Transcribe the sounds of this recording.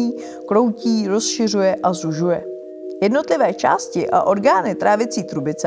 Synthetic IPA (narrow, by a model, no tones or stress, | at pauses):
iː | klo̞wciːɾo̞sʃɪr̝ujɛʔazuʒujɛ | jɛdno̞t̪lɪvɛːt͡ʃa̰ːscɪʔa̰ʔo̞ɾɡaːnɪt̪ɾaːvɪt͡siːt̪ɾubɪt͡s